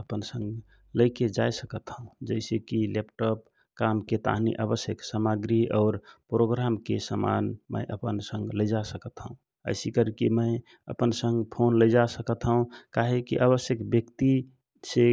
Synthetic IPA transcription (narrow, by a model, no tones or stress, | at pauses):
əpənsə̃ŋɡ | ləjked͡ʒajsəkət̪ɦəũd͡ʒəɪsekilepʈɔp̚ | kamket̪a̰ɦnḭʔaβəsjəksəmaɡɾiɔːɾpɾoɡɾamkesəma̰nmə̰ɪʔəpənsə̃ŋɡləjd͡ʒasəkət̪ɦəũ | ə̰ɪsikəɾkeməɪ | ə̰pənsəŋɡpʰonləjd͡ʒasəkət̪ɦəũkaɦekḭʔəβəsjəkbjəkt̪i | se